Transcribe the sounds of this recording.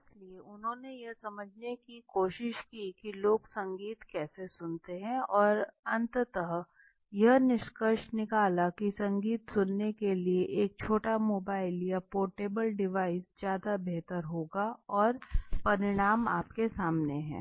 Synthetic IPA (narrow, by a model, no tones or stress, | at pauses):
ɪslieʊnɦõːnejɐsɐməd͡ʒʱnekikoːʃɪʃkikiloːɡsɐ̃ŋɡiːt̪kɛːsesʊnt̪eɦɛ̃ɔːɾɐ̃nt̪t̪əɦ | jɐɦnɪʃkəʃnɪkaːlakisɐ̃ŋɡiːt̪sʊnːekelieʔeːk̚t͡ʃʰoːʈamoːbaːɪlijapoːɾʈeːbəlɖɪʋaːɪsd͡ʒjaːd̪abeɦt̪əɾɦoːɡaɔːɾpɐɾɪɽ̃aːmaːpkesaːmneɦɛ̰̃ː